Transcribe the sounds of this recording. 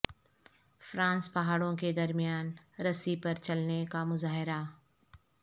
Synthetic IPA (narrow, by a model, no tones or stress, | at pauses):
fɾãːnspɐɦaːɽõked̪ɐɾmijaːnɾɐsipɐɾt͡ʃɐlnekamʊzaːɦɪɾa